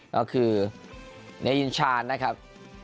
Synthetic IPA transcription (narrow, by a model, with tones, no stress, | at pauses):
kɔ˧˩kʰɯː˧ | na˦ji˧nt͡ɕʰaː˧nːa˦˥kʰɾa˦˥p̚